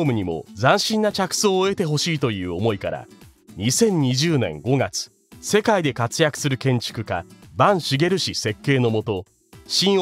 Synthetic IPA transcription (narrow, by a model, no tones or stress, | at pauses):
mɯ̟ɲ̟imo̞̰d͡zãɰ̃ɕĩnːat͡ɕakɯ̟̥so̞ːe̞t̪e̞ɦo̞ɕiːt̪o̞jɯ̟ːomo̞ikaɾa̰ | ɲ̟isẽ̞ɲ̟ɲːiʑɨːnẽ̞̰ŋɡo̞ɡat͡sɨ̥ | se̞kaid̪e̞kat͡sɨjakɯ̟̥sɨɾɯ̟kẽ̞ɲ̟t͡ɕi̥kɯ̟ka̰bãɰ̃ɕiɡe̞ɾɯ̟ɕise̞kːe̞ːno̞mo̞t̪o̞ | ɕĩɰ̃